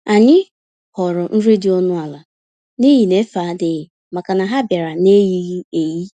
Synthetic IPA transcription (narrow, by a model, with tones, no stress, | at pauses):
a˨ɲɪ˦ | hɔ˨ɾʊ˨n̩˦ɾe˦dɪ˦ɔ˦nʊ˦a˨la˨ | ni˦ɦi˨ne˦fa˨˦dɪ˨ɣɪ˨ | ma˨ka˨na˨ɦa˦bja˨ɾa˨ne˦ji˦ɣi˦e˨ji˦